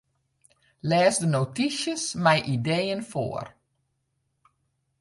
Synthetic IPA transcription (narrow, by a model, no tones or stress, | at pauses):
lɛːsdənowtisjəsmɛjʔidejənfo̰ːər